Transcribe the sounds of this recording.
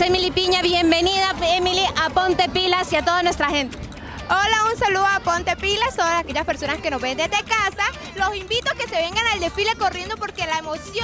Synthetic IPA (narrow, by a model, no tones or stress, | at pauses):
semilipiɲaβjembe̞niðaemiliʔapo̞nt̪e̞pilasiat̪o̞ðanwe̞st̪ɾaxe̞nt̪e | olaunsaluðoapont̪e̞pilast̪oðasakeʝaspe̞ɾso̞naskenoβend̪ed̪e̞kasa | lo̞simbit̪oke̞se̞βe̞ŋɡanald̪e̞file̞ko̞rje̞nd̪o̞po̞ɾkelaemosjo